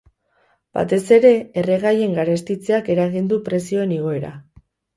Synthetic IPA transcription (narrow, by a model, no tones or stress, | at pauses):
b̥a̰t̪e̞se̞ɾe̞ːre̞ɣaje̞ŋɡaɾe̞st̪it͡seake̞ɾaɣind̪upɾe̞sio̞e̞niɣ̞o̞e̞ɾa̰